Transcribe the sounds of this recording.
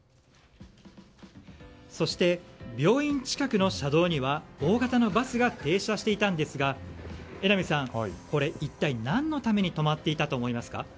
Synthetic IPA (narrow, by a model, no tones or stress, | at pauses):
so̞ɕi̥t̪e̞bʲjo̞ːĩɲ̟t͡ɕi̥kakɯ̟no̞ɕad̪o̞ːɲ̟iβao̞ːɡat̪ano̞basɨɡat̪e̞ːɕaɕi̥t̪e̞it̪ãnd̪e̞sɨɡa | e̞namʲisãŋko̞ɾe̞it̪ːainãnːo̞t̪ame̞ɲ̟it̪o̞mat̪ːe̞it̪at̪o̞ːmo̞imasɨ̥ka̰